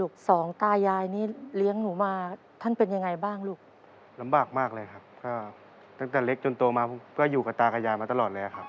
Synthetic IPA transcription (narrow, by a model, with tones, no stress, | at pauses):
luː˥˩k̚sɔː˩˦ŋt̪aː˧jaː˧jniː˦˥˩li˦˥əŋnuː˩˦maː˧ | t̪ʰa˥˩npe˧nja˧ŋa˧jbaː˥˩ŋluː˥˩k̚ | la˨˦mbaː˨˩k̚maː˥˩k̚lɤː˧jkʰa˦˥p̚kɔː˥˩ | t̪a˥˩ŋt̪ɛː˨˩le˦˥k̚t͡ɕo˧nt̪o˧maː˧˥kʰɯː˥˩juː˨˩ka˨˩t̪aː˧ka˧jaː˧jmaː˧t̪a˧lɔː˨˩t̪̚lɤː˧˦a˨˩kʰa˦˥p̚